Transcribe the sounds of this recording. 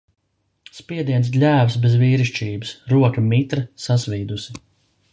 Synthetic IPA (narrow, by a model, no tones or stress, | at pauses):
spʲiɛd̪iɛns̬lʲæːvsbezviːɾiʃt͡ʃiːbɨsɾuɔkɐmit̪ɾɐsasvʲiːd̪usi